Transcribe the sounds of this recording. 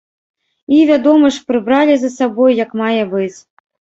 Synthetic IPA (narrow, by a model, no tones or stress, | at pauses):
ivʲad̪ɔmɐʂpɾɨbɾalʲizɐsabɔjjɐkmajɛbɨt͡sʲ